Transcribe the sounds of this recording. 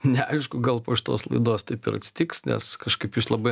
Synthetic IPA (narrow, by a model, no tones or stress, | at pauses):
nʲɛɐɪʃkʊɡɐlˠpoːʃɪ̥t̪o̰ːslˠɐ̰ɪd̪oːst̪ɐɪpɪɾɐtʲsʲɪ̥t̪ʲiːksnʲɛ̰skɐʃkɐɪpɪʃlˠɐbɐɪ